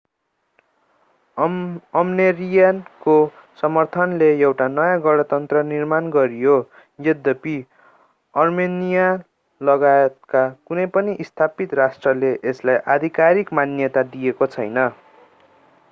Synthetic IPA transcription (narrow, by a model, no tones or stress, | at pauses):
ʌmnerijankosʌmʌrt̪ʰʌnleewʈanʌjãɡʌɽʌt̪ʌnt̪rʌnirmanɡʌɾijo | jed̪ʌpi | ʌrmenija | lʌɡajet̪̚kakunʌjpʌniʔist̪ʰapit̪rasʈrʌleʔeslajʔad̪ʱikaɾikmanjʌt̪ad̪ijekot͡sʰʌjnʌ